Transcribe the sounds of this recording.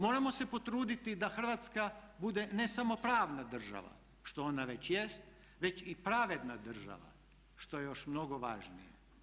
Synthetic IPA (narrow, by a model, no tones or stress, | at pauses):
mo̞ːɾamo̞se̞po̞t̪ɾuːd̪it̪id̪axr̩ʋat̪skabud̪e̞ne̞samo̞pɾaːʋnad̪r̩ʒa̰ʋa̰ | ʃt̪o̞onaʋe̞t͡ɕjest̪ | ʋe̞t͡ɕipɾaʋe̞d̪nad̪r̩ʒa̰ʋa̰ | ʃt̪o̞je̞jo̞ʃmno̞ɡo̞ʋaːʒnijḛ